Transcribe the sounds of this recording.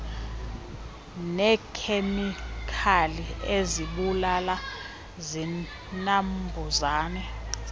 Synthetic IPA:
nɛkʰemikʰalieziɓulala | zi | nambʱuzaːnɛ

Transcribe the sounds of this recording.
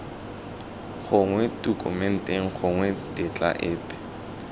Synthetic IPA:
χʊŋwɛtʼukʼʊ̰mɛn̩tʼeŋ̩χʊŋwɛtʼɪt͡ɬʼa̰ʔɪːpʼɛ̥

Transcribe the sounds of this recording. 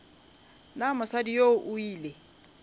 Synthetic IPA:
namɔsadijoʊʔʊiːle

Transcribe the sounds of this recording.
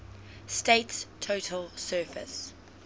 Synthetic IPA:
steɪtstʰːotʰəlsɜːfɪ̰s

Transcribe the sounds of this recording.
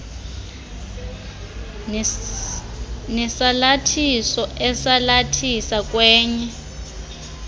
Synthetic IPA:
nɛsalatʰisɔʔɛsalatʰisak̬ʼwɛːɲɛ

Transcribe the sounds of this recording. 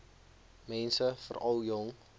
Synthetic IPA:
mɛnsəfə̰rʔɐlˠjɔŋ

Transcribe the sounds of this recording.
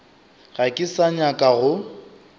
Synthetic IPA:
ɣakʼɪsaɲakʼaɣʊ

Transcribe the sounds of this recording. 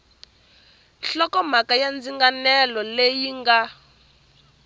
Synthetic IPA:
nɬɔkɔm̤akajand͡ziŋɡanɛlɔlejiŋɡa

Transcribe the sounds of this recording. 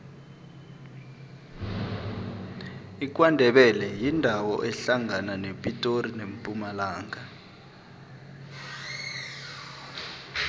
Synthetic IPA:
ik̬ʼwandʱɛɓɛlɛjindʱawɔʔɛɬaŋananepʼitʼorinempʼumalaːŋa

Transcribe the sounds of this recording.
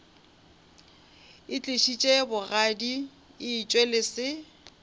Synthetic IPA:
ɪt͡ɬʼeʃit͡ʃʼebʊɣadi | ɪːt͡ʃʼwelɪsɪ

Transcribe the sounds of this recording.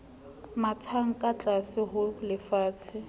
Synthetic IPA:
matʰaŋ̩kʼat͡ɬʼasɪɦʊlɪfaːt͡sʰɪ

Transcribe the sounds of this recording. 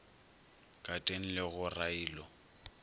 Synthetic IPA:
kʼatʼeŋ̩lɪɣʊraiːlɔ

